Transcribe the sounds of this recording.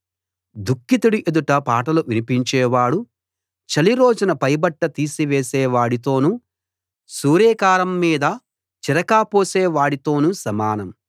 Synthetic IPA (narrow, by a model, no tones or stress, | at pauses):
d̪ukːit̪uɽiʔed̪uʈɐpaːʈɐluʋinipiɲt͡ʃɛːʋaːɽu | t͡ʃɐliɾo̞ːd͡ʒunɐpɐjbɐʈːɐt̪iːsiʋeːsɛːʋaːɽit̪o̞ːnu | suːɾɛːkaːɾɐmːiːd̪ɐ | t͡ʃiɾɐkaːpoːsɛːʋaːɽit̪o̞ːnusɐmaːnɐm